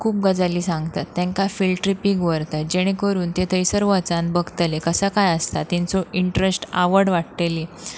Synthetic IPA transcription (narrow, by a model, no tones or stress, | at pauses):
kʰuːp̚ɡəd͡zaliːsãŋɡt̪at̪ːãŋkafilʈɾipiɡʋəɾt̪əd͡ʑeɽ̃ĩkəɾuːnt̪et̪ʰəjsəɾʋət͡sãn̚bəɡt̪lekəsəkajəst̪at̪ːint͡soiɳʈɾesʈa̰ʋəɾɽʋaʈt̪eli